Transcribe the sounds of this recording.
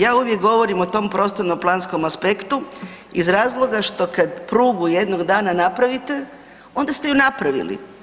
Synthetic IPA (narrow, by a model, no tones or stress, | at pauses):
jaːuʋje̞kɡo̞ʋo̞ɾimo̞t̪o̞mpɾo̞st̪oɾnomplˠaːnsko̞maspe̞kt̪u | izɾaːzlˠo̞ɡaʃt̪o̞kad̪pɾuːɡujed̪no̞ɡd̪aːnanapɾaʋit̪e̞ | o̞nd̪ast̪e̞junapɾaʋḭlḭ